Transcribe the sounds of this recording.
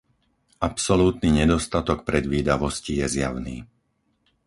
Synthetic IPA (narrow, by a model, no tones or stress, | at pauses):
apsɔluːt̪niɲɛd̪ɔst̪at̪ɔk̚pɾɛd̪ʋiːd̪aʋɔscijɛzjaʊnḭː